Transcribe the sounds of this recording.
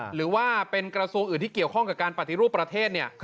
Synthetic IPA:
ɾɯː˩˦waː˥˩pe˧nkɾa˧su˧əŋʔɯː˨˩nt̪ʰiː˥˩ki˨˩əwkʰɔ˥˩ŋka˨˩pkaː˧npa˨˩t̪ʰːi˦ɾuː˥˩pːɾa˧t̪ʰeː˥˩t̪̚ni˥˩ə

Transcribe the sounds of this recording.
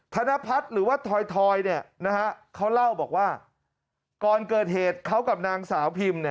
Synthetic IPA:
t̪ʰa˧na˦˥pʰa˦˥t̪̚ɾɯː˩˦waː˥˩t̪ʰɔː˧jt̪ʰɔː˧jni˥˩ɐna˦˥kʰa˦˥kʰa˦˥wla˥˩wbɔː˨˩k̚waː˥˩ | kɔː˧nkɤː˨˩t̪̚heː˨˩t̪̚kʰa˦˥wka˨˩p̚naː˧ŋsaː˩˦wpʰi˧mni˥˩ɐ

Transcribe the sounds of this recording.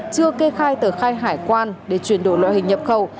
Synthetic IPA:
t͡ɕɨ˧əke˧xaː˧jt̪əː˨˩xaː˧jɦaː˧˩jkwaː˧nɗe˧˩t͡ɕwi˧˩ənɗo̰˧˩jlwa̰˧˨hï˨˩ŋ̟ɲə˨˩p̚xə˨˩w

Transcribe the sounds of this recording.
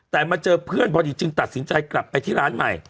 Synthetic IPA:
t̪ɛː˨˩ma˧t͡ɕɤː˧pʰɯ˥˩ənpʰɔː˧diː˧t͡ɕɯ˧ŋt̪a˨t̪̚si˩˦nt͡ɕa˧jkla˨˩pːa˧jt̪ʰiː˥˩ɾaː˦˥nma̰˨˩j

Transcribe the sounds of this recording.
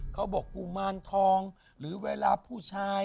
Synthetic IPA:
kʰa˦˥wbɔː˨˩kːu˧ŋmaː˧˩˨nt̪ʰɔː˧ŋ | ɾɯː˩˦weː˧laː˧pʰuː˥˩t͡ɕʰaː˧

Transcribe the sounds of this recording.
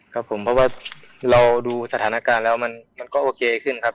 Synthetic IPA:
kʰa˦˥˩pʰo˩˦mpʰɔ˧˥waː˧˩la˧wduː˧sa˧t̪ʰaː˩˦naː˧kaː˧nlɛː˦˥˩wma˧˥˨nma˧˨nkɔː˥˩ʔoː˧kʰeː˧kʰɯ˧˥˩nkʰa˦˥p̚

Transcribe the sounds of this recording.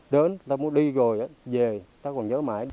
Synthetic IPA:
ɗe˨˦nt̪aː˧mu˨˦ənɗi˧ɣo˨˩jʔə˨˦ve˨˩t̪aː˧kɔ˨˩nzəː˨˦ma̰ː˧˩j

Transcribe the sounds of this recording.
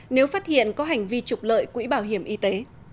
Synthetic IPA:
ne˨˦wfaː˦˥t̚hḭ˧˨ənkɔ˨˦ɦa˨˩jŋ̟vi˧t͡ɕʊ˨˩k͡p̚lə̰ː˧˨jkwḭ˧˥ɓaː˧˩wɦi˧˩əmʔi˧t̪e˨˦

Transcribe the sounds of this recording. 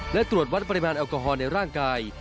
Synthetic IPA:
lɛ˦˥t̪ɾu˨˩ət̪̚wa˦˥t̪̚pa˧ɾi˧maː˧nʔɛː˧wkɔː˧ɦɔː˧na˧jɾaː˥˩ŋkaː˧j

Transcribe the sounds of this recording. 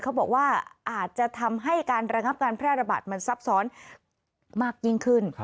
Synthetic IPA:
kʰa˦˥wbɔː˨˩k̚waː˥˩ʔaː˨˩t̪̚t͡ɕa˨˩t̪ʰa˧mɦa˥˩jkaː˧nɾa˧ŋa˦˥p̚kaː˧npʰɾɛː˥˩ɾa˧ba̰ː˨˩t̪̚ma˧nsa˦˥p̚sɔː˦˥n | maː˥˩k̚ji˦˥˩ŋkʰɯ˥˩n

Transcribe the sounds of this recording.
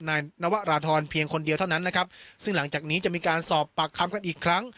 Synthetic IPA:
naː˧jna˦˥wa˦˥ɾaː˧t̪ʰɔː˧npʰi˧əŋkʰo˧ndi˧ət̪ʰa˥˩wna˦˥nːa˦˥kʰa˦˥p̚sɯ˥˩ŋla˩˦ŋt͡ɕaː˨˩k̚niː˦˥t͡ɕa˨˩ʔmiː˧kaː˧nsɔː˨˩pːa˨˩kʰːa˧mka˧nʔiː˨˩kʰɾa˦˥ŋ

